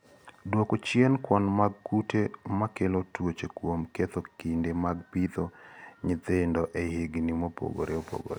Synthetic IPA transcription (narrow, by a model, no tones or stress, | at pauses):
dwokot͡ʃjɛnkwɔnmaɡkutemakelotwot͡ʃekwomket̪okindemaɡ̚pit̪oɲit̪endɔʔehiɡnimopo̰ɡo̰ɾʔeopo̰ɡo̰ɾe